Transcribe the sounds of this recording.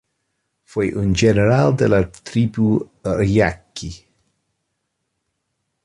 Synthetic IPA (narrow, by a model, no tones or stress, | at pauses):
fojʔund͡ʒeneɾald̪elat̪ɾibuɾia̰kːi